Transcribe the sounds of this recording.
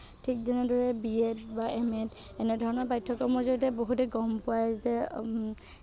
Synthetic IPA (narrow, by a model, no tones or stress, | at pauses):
tʰik̚zɛnɛdɔɹɛbiɛtbaʔɛmɛt | ɛnɛdʱɔɹɔnɔɹbajtʰːɔkɔɹmɔɹzɔɹitɛboɦutɛɡɔmpʊwajzɛ